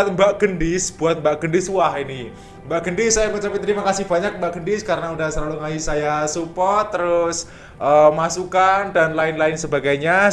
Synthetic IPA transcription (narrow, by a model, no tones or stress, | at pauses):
t̪mbaʔɡ̥əndɪsb̥uat̪̚mbaʔɡ̥əndɪsuaɦini | mbaʔɡəndɪsːajamat͡ʃapit̪əɾimakasɪhb̥aɲak̚mbaʔɡəndɪskaɾənaudahsəlaluŋaisajasupɔt̪ːəɾʊs | ʔəmasukandanlaɪnlaɪnsəbaɡajɲa